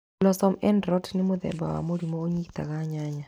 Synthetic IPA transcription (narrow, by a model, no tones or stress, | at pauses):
lɔsɔmɛndɾɔtnɪmod̪ɛ̰ba̰wa̰moɾimoːɲikt̪a̰kaɲaɲa